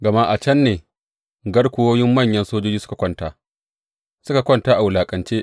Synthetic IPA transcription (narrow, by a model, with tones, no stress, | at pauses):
ɡɐ˨ma˦ʔa˨t͡ʃɐ˦nːeː˨ | ɡɐ˦ɽkʷʊ˦woː˦jɪ˦mːɐ˦˨ɲjɐ˦nsoː˦d͡ʒoː˦d͡ʒiː˦sʊ˦kḁ˨kʷɐ˦ntaː˨ | sʊ˦ka˨kʷɔ˦˨ntaː˦ʔa˨wʊ˨laː˨kʼɐ˨nt͡ʃeː˦ʔ